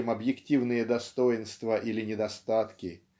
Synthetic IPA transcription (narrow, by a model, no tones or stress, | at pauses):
ɪmɐbjɪktʲivnɨjəd̪ɐst̪ojɪnst̪vəʔilʲɪnʲɪd̪ɐst̪at̪kʲɪ